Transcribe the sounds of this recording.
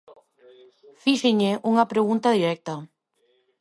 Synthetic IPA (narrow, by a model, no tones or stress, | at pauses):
fiʃɪɲeʔuŋɐpɾeɣunt̪aðiɾɛk̚t̪ɐ